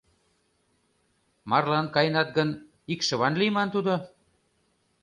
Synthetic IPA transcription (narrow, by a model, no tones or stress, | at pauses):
mɑrlɑnkɑjnɑt̪̚ɡən | ikʃə̆βɑnlimɑnt̪ud̪o